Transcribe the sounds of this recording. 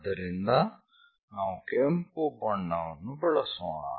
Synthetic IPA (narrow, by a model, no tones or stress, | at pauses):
d̪ɐɾind̪ɐ | naːʋukempubɐɳːɐʋɐnubɛɭɐsoːɳa̰